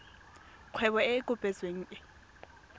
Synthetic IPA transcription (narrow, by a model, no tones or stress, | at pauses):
q͡χʰwɛβɔekʼʊpʼɛt͡sweŋ̩ːʔɪ